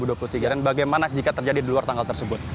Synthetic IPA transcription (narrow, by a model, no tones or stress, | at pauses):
buduapulut̪iɡadanbaɡajmanad͡ʒikat̪ərd͡ʒadidiluart̪aŋɡalt̪ərsəbʊt̪